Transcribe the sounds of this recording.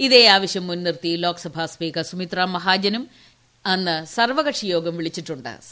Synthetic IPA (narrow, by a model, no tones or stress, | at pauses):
iðe̞ːaːʋɐɕjɐmːunːirt̪ilo̞ːksɐbʱaːspiːkɐsumit̪raːmːɐɦaːd͡ʑɐnum | ɐnːɨsɐrʋɐɣɐʈʂijo̞ːɡɐmʋiɭit͡ɕːiʈːuɳɖɨ̰